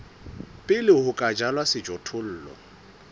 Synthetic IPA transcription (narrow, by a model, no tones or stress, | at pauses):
pʼɪlɪhʊkʼad͡ʒalwasɪd͡ʒɔtʰʊl̩ːlɔ̰